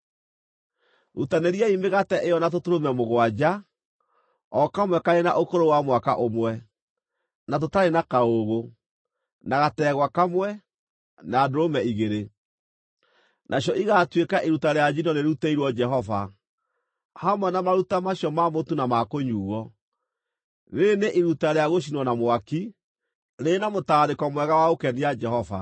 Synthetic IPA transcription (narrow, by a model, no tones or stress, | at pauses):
ɾutaneɾiaimeɣatɛʔejɔnatotoɾomɛmoɣwad͡ʑa | ɔkamwɛkaɾenaʔokoɾowamwakaʔomwɛ | nat̬otaɾenakaoɣo | naɣatɛɣwakamwɛ | naːdoɾomɛiɣeɾe | nʔaɕjɔʔiɣatwekaʔiɾutaɾead͡ʒinɔneɾeutɛiɾwɔd͡ʒɛɦɔva | hamwɛnamaɾutamaɕjɔmamotunamakoɲuːwɔ | neːneʔiɾutaɾeaɣoɕ̬inwɔnamwaki | nenamotaɾekɔmwɛɣawaokɛniad͡ʒɛɦɔva